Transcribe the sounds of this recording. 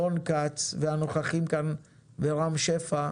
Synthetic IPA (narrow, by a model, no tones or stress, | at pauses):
onkat͡sveano̞χaχimkan | beʁamʃefa